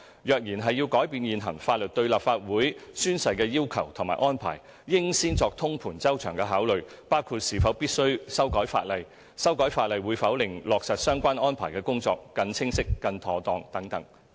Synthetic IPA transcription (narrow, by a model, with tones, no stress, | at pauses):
jœː˨k̚jiː˨˩nɦɐ˨jːi˧wkɔː˨˥jpiː˧njiː˨nɦɐ̰˨˩ŋfaː˧t̚lɵ˨t̚t̪ɵ˧ɥlaː˨p̚faː˧t̚wuː˨˥jsyː˥nsɐ˧jkɛː˧jiː˥wkʰɐ˨˩wt̪ʰʊ˨˩ŋmaː˨˩jʔɔː˥npʰa̰ː˨˩jː | ɪ˥ŋsiː˥nt͡sɔː˨˧k̚t̪ʰʊ˥ŋpʰuː˨˩nt͡sɐ˥wt͡ʃʰœ̰ː˨˩ŋkɛː˧ɦaː˨˥wlɵ˨ɥ | paː˥wkʰuː˧t̚siː˨˩fɐ˨˥wpiː˥t̚sɵ˥ɥsɐ˥wkɔː˨˥jfa̰ː˧t̚lɐ˨j | sɐ˥wkɔː˨˥jfaː˧t̚lɐ˨jwuː˨˧jfɐ˨˥wlɪ˨ŋlɔː˨k̚sɐ˨t̚sœː˥ŋkʷaː˥nɔː˥npʰa̰ː˨˩jkɛː˧kʊ˥ŋt͡sɔː˧kːɐ˧nt͡sʰɪ˥ŋsɪ˥kːɐ˧nt̪ʰɔː˨˧t̪ɔː˧ŋt̪ɐ˨˥ŋt̪ɐ˨˥ŋ